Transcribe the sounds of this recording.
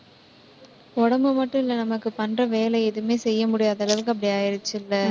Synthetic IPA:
ɔɽɐmbɯmɐʈːʊ̃ɪlːɐnɐmɐkːɯpɐnrɐʋeːlɐɪɛðɯmeːsɛjːɐmʊɽɪjaːðɐɭɐʋɯk̬ːɯɐp̬ːɐɽiaːjɐɾɪt͡ʃːɪlːɐ

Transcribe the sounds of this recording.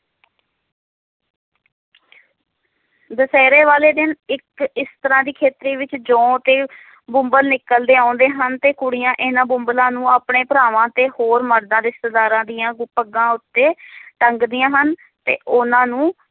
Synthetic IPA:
d̪əsɛːɾeːʋaːleːd̪ɪnɪkɪst̪əɾãːd̪iːkʰeːt̪ɾiːʋɪt͡ʃd͡ʒõːt̪eː | bʊ̃mbəlnɪkəld̪eːãːnd̪eːɦənt̪eːkʊɽijãːʔɪnãːbʊmbəlãːnũːaːpɳeːpəɾaːʋãːt̪eːhoːɾməɽd̪ãːd̪ɪst̪ed̪aːɾãːd̪iːjãːɡʊpːəɡãːʊt̪ːeːʈəŋɡd̪ijãːɦən | t̪ḛːʔʊnãːnũː

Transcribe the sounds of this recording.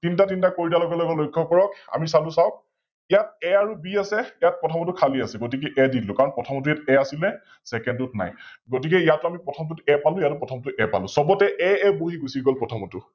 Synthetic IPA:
tintatintakoɹitalɔɡɔlɔɡɔlojkʰːɔkɔɹɔka̰misalʊ̃sawk̚ | ijat̚ɛaɹubiasɛijat̚pɔtʰɔmɔtukʰaliasɛɡotik̬ɛʔɛditlʊkaɹɔnpɹɔtʰɔmɔtujatɛasilɛ | sɛkɛndut̚na̰jɡot̬ik̬ɛijatːʊamipɹɔtʰɔmɔtutɛpalʊ̃jatupɹɔtʰɔmɔtʊʔɛpa̰lʊ̃sɔbɔtɛʔɛɛboɦiɡusiɡɔlpɹɔtʰɔmɔtʊ

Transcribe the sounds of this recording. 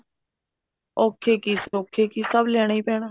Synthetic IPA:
oːkʰːeːkiːsoːkʰːeːkiːsəblɛːɽ̃aːiːpɛːɽ̃aː

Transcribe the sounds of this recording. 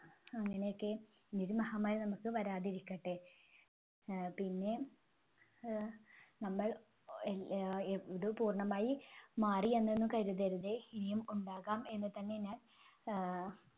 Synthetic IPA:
ɐŋːɐne̞jokːe̞ | iniɾumɐhaːmɐɾnɐmukːɨʋɐɾaːðiɾikʲːɐʈːɨ | pinːe̞ | nɐmːɐɭ | ðɨpuːrɳɐmaːjimaːrienːenːukɐɾuðɐɾuðeinijɐmuɳɖaːɣaːme̞nːɨt̪ɐnːe̞naːl

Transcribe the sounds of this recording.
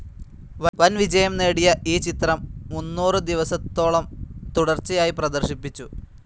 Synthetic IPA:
ʋɐʋɐnʋid͡ʑɐjɐmne̞ːɽijɐʔiːt͡ɕit̪rɐmːunːuːrɨd̪iʋɐsɐt̪ːo̞ːɭɐmt̪uɽɐrt͡ɕːɐjaːjiprɐd̪ɐrɕipːit͡ɕːu

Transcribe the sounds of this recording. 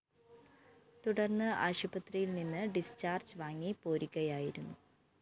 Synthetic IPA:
t̪uɽɐrnːɨʔa̰ːɕubɐt̪rijilninːɨɖist͡ɕaːrd͡ʑɨʋaːŋːipo̞ːɾikʲːɐjaːjiɾunːu

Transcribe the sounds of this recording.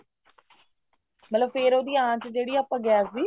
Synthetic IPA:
mət̪ləbfeːɾoːd̪iːãːt͡ʃd͡ʒeːɽiːapəɡjaːsiː

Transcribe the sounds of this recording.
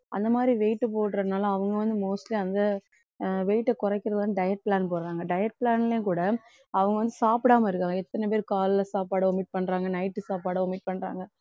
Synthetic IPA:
ʔɐ̰nd̪ɐmaːd̪ɾiʋeːʈːɯp̬oːʈɾɐðɪnaːlɐ̃ɐʋɐŋɡɐʋɐnd̪ɯmoːsʈliɐnd̪ɐ | ʋeɪʈːɐkɔɾɐkːɪɾɐðʋɐnd̪ɯɖɐjɐʈ̚plaːnpoːɾɯɾaːŋɡɐɖɐjɐʈ̚plaːnɪljẽkuːɽɐ | ɐʋɐŋɡɐʋɐnd̪ɯsaːpɪɽaːmɐɪɾɯkːaːŋɡɐɛt̪ːɐnɛp̬eːɾkaːlɪlɐsaːpaːɽɐɔmːɪʈ̚pɐɳːɾaːŋɡɐnɐɪʈːɯsaːpaːɽɐɔmɪʈ̚pɐɳːɾa̰ːŋɡɐ

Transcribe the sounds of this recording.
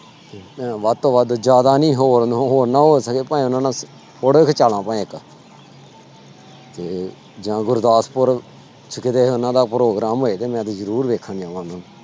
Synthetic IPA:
t̪eːmɛ̃ːʋəd̪t̪õːʋəd̪d͡ʒjaːd̪aːnĩːɦoːɾɦoːɾnãːɦoːsəkeːpãːĩːʊnãːnãː | pʰʊɽəkʰt͡ʃaːlãːpãːẽk | t̪eː | d͡ʒãːɡʊɾd̪aːspʊɾ | t͡ʃʰəkɪd̪eːʊnãːd̪aːpɾoːɡɾaːmɦoːeːt̪eːmɛ̃ːt̪eːzəɾuːɾʋeːkʰənãːʋãːnãː

